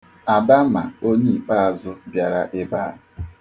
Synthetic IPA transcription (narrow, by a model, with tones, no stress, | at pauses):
a˨ba˦ma̰˨o˦ɲi˦i˨k͡pa˦a˨zʊ˦bja˨ɾa˦ʔɪ˦ba˦˨